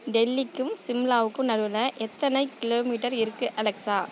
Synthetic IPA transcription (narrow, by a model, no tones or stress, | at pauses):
ɖɛlːɪkːɯmsɪmlaːʋɯkːɯmnɐɽɯlɐʔɛt̪ːɐnɐɪkːɪloːmiːʈɐɾɪɾɯkːɯʔɐlɛksaː